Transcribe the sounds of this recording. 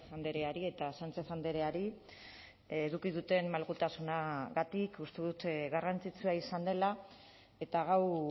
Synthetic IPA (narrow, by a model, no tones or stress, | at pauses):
and̪e̞ɾe̞aɾie̞t̪asant͡se̞sand̪eɾe̞aɾi | eðukið̞ut̪e̞nmmalɣut̪asunaɣat̪ikust̪eðut̪ɣarant͡sit͡suaisand̪e̞la | e̞t̪aɣaw